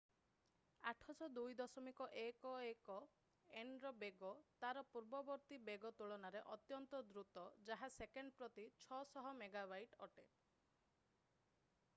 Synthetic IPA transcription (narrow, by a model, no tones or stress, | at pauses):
aʈʰɔsɔd̪ujd̪ɔsɔmikɔʔekɔekɔ | enɾɔbeɡɔt̪aɾɔpuɾbɔbɔɾt̪ibeɡɔt̪uɭɔnaɾeʔɔt̪jɔnt̪ɔd̪ɾut̪ɔd͡ʒaɦasekeɳɖpɾɔt̪it͡ʃʰɔsɔɦɔmeɡabajʈɔʈe